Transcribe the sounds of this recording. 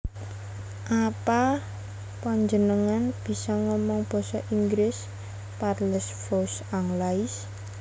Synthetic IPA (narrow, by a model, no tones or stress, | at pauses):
ʔapa | paɲd͡ʒənəŋanb̥i̤sɔŋɔmɔŋb̥ɔ̤sɔʔiŋɡɾɪs | patləsfɔsaŋlais